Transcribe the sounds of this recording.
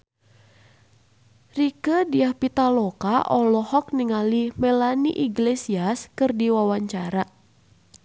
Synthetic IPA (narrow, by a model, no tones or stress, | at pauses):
rikədiahpit̪alɔkaʔɔlɔhɔk̚niŋalimɛlaniʔiɡlesiaskɨrdiwawaɲt͡ʃaɾa